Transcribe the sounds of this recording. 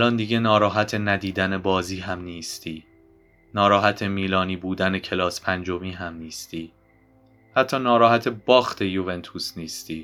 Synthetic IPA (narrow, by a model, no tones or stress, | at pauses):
ʔælɒnd̪iɟenɒːɾɒːɦæt̪ʰenæd̪iːd̪ænebɒːziːɦæmniːst̪iː | nɒːɾɒːɦæt̪ʰe̞miːlɒːniːbuːd̪æne̞cʰe̞lɒːspʰænd͡ʒomiːɦæmniːst̪iː | hæt̪ʰːɒːnɒːɾɒːhæt̪ʰe̞bɒːxt̪ʰe̞juve̞nt̪ʰusniːst̪iː